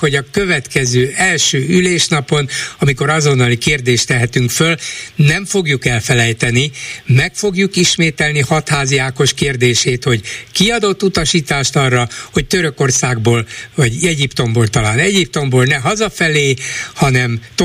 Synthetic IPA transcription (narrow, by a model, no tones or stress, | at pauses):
ho̞ɟɒkøvɛt̪kɛzøːʔɛlʃøːyleːʃnɒpo̞nɒmiko̞ɾɒzo̞nːɒlikeːrd̪eːʃt̪ɛɦɛt̪yŋkfølnɛɱfo̞ɡjukɛlfɛlɛjt̪ɛnimɛkfo̞ɡjukiʃmeːt̪ɛlnihɒt̪haːziaːko̞ʃkeːrd̪eːʃeːt̪ho̞ɟkiɒd̪o̞t̪ːut̪ɒʃiːt̪aːʃt̪ɒrːɒho̞ct̪øɾøko̞rsaːɡboːlvɒɟɛɟipt̪o̞mboːlt̪ɒlaːnɛɟip̚t̪o̞mboːlnɛɦɒzɒfɛleːhɒnɛmt̪